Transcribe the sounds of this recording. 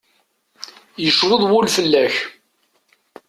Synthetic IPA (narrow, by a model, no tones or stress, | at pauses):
jəʃwəðˤwʊlfəlːæç